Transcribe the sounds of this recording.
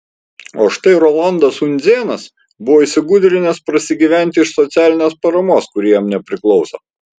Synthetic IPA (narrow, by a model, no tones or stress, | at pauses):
oːʃt̪ɐɪɾɔlˠɑˑnd̪ɐsʊnʲd̪zʲeːnɐs | bʊʋoːiːsʲɪɡʊd̪ʲɾʲɪnʲɛspɾɐsʲɪɡʲiːʋʲæˑnʲt̪ʲɪɪʃsɔt̪sʲæːlʲɪnʲeːspɐɾɐmoːskʊɾʲiːjɛmnʲɛpʲɾʲɪklˠɒʊsɐ